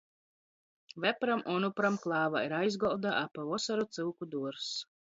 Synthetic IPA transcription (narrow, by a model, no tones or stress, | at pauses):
vɛpɾamʔɔnupɾamklˠɑːvaiɾajzɡɔlˠd̪aʔapavɔsaɾut̪sɨlˠkud̪uɔɾs